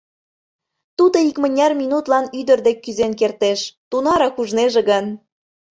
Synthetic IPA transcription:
t̪ud̪oikmə̆nʲːɑrminut̪lɑnyd̪ə̆rd̪ekːyzenk̬ert̪eʃt̪unɑɾɑkuʒneʒeɡən

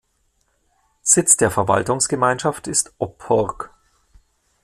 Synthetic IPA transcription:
z̥ɪt͡sd̥eːɐfɛɐva̰ltʊŋsɡ̥əmaɪnʃaftɪstʔɔpʰːɔʁk

